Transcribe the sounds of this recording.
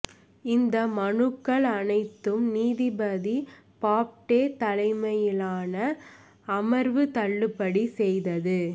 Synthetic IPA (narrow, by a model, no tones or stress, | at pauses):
ɪnd̪ɐmɐɳɯkːɐɭɐnɐɪt̪ːɯmniːðibɐði | paːp̚ʈeːt̪ɐlɐɪmɐjɪlaːnɐ | ɐmɐɾʋɯt̪ɐɭːɯpːɐɽisɛjðɐðɯ